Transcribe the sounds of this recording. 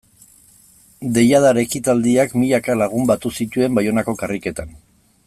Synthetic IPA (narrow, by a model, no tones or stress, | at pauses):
d̪e̞jað̞aɾe̞kit̪ald̪iakmiʎakalaɣ̞umbat̪usit̪ue̞mbajo̞nako̞karike̞t̪an